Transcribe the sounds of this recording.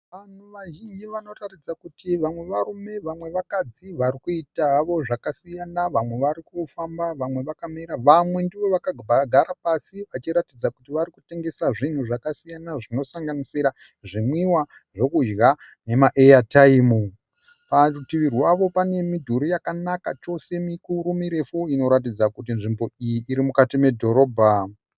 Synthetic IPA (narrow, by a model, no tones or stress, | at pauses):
ʋan̤uʋaɦiiʋano̞ratid͡zakutiʋamwe̞ʋarume̞ʋamwe̞ʋakad͡ziʋaɾikuitaːʋo̞ʐakasijanaʋamwe̞ʋaɾikufambaʋamwe̞ʋakameɾaʋamwe̞ndiʋo̞ʋakaaɡʱaɾapasiʋat͡ʃiɾatid͡zakutiʋaɾikute̞ŋɡe̞saʐin̤uʐakasijanaʐino̞saŋɡanisiɾa | ʐimwiwa | ʐo̞kud͡ʒɣa | ne̞maʔejataimu | pautiʋiriwaʋo̞pane̞midʱuɾojakanaka̰t͡ʃo̞se̞mikuɾumiɾe̞fuino̞ɾat̬id͡zakut̬inʐimbo̞ijiʔːɾimukatime̞dʱo̞ɾo̞ːbʱa